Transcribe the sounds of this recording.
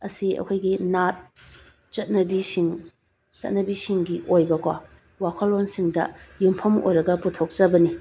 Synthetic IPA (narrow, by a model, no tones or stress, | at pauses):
ɐsiɐ̰kʰojɡinat̚ | t͡ʃɐt̚nɐbisiŋ | t͡ʃɐ̰t̚nɐbisiŋɡiʔojbɐkwa̰ | wakʰɐlːonsiŋdɐ̰jumpʰɐmo̰jɾɐɡɐputʰok̚t͡ʃɐbɐni